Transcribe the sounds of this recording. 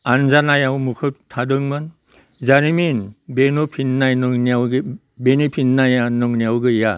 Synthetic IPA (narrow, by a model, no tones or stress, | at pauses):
anzanajawmukʰɯp̚tʰadɯŋmɯn | zaɾiminbenupʰinːajnɯŋniawɡ | benipʰitnajanɔŋnijawɡɯja